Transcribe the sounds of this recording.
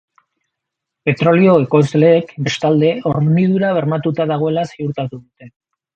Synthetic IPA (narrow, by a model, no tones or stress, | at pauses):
pe̞t̪ɾo̞lio̞eko̞ezle̞ːkbe̞st̪ald̪e̞o̞ɾmið̞uɾaβ̞e̞ɾmat̪ut̪aðaɣ̞o̞e̞lasiuɾt̪at̪uðut̪e̞